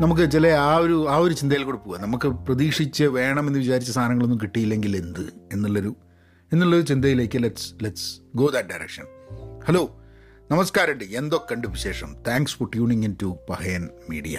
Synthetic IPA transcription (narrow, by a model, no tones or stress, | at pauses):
nɐmuk̬ːɨt͡ɕileaːoɾuaːo̞ɾut͡ɕind̪ɐjilko̞ɽupːuɣɐnɐmukːɨprɐðiːkʂit͡ɕːɐʋe̞ːɳɐme̞nːɨʋit͡ɕaːɾit͡ɕːɐst̪ʰaːnɐŋːɐɭo̞nːumkiʈːijilːeŋɡile̞nd̪ɨe̞nːuɭːo̞ɾu | enːuɭːo̞ɾut͡ɕind̪ɐjile̞ːkʲːɨleʈsleʈsɡo̞ːd̪ɐʈ̚ɖɐjɾḛkʂɐnhɐloː | nɐmɐskaːɾɐɳɖɨe̞nd̪okːɐɳɖupːiɕe̞ːʂɐmt̪ʰaːŋksforʈjuːɳiŋintupɐhɐjɐnmḭːɽijɐ̰